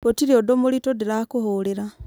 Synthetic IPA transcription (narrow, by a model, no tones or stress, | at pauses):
potiɾiodomolitodilakuhuliɾa